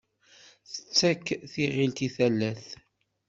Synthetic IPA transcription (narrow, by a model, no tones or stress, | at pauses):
θə̥t͡sːækːθiʁilt̪iθælːæθ